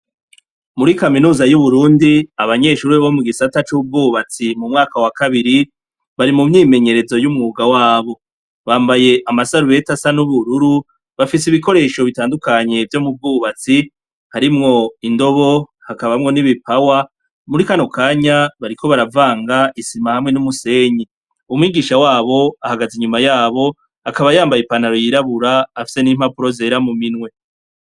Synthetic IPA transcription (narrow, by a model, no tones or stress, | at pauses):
muɾikaminuːzajuβuɾuːndiaβaɲe̞ːʃuːɾiβomuɡisatat͡ʃubɡuːβat͡simumŋaːkawakaβiɾi | βaɾimumɲiːme̞ɲe̞ɾe̞zo̞jumŋuːɡawaːβo̞ | βaːmbaje̞ʔamasaɾuβe̞tasanuβuɾuɾu | βafis̬eiβiko̞ɾe̞ːʃo̞βitaːndukaɲe̞vjomub̚ɡuβat͡si | haɾimŋo̞indo̞βo̞hakaβamŋo̞niβipawa | muɾikano̞kʰaːɲaβaɾikʰo̞βaɾavaːŋɡaʔisimahamŋe̞numuse̞ːɲi | umwiːɡiʃawaːβo̞ahaɡaziɲumajaːβo̞ | akaβajaːmbajepanhaɾo̞jiɾaβuɾaːfi̥se̞niːm̥hapuɾo̞ze̞ːɾamuminwe̞